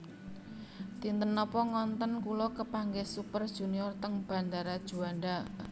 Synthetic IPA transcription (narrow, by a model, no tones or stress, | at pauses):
t̪int̪ənɔpɔŋɔnt̪ɔnkulɔkəpaŋɡesupərd̥ʒ̥ṳniɔrt̪əŋb̥a̤nd̪aɾad̥ʒ̥ṳanɖa